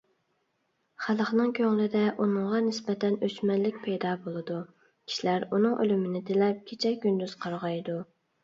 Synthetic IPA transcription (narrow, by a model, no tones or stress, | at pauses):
χælˠχnɨŋkʲʰøŋlɪd̪ɛʔunɨŋʁɑnɪspɛt̪ʰɛnøt͡ʃmɛnlɪk̚ʲpʰɛjd̪ɑːbolˠɨd̪u | kʲʰi̥ʃilæɾunɨŋʔø̰lymɪnɪt̪elɛp̚kʲʰet͡ʃʰɛɡʲynd̪yz̥qʰɑɾʁɑjd̪u